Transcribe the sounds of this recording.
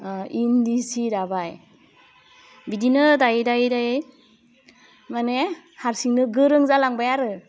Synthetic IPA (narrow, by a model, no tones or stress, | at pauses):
indisiɾabaj | bidinɯdajdajdaj | mane | haɾsiŋnɯɡɯɾɯŋzalaŋbajaɾɯ